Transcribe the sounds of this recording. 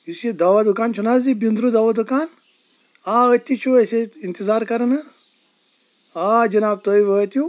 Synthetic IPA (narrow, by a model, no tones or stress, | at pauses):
jisid̪aːʋad̪ukaːnt͡ʃʰunaːzibind̪ɾud̪aːʋad̪ukaːn | aːət̪it͡ʃʰuɐseint̪izaːɾkɐɾna | aːd͡ʒɐnaːb̚t̪oːiʋət̪jũ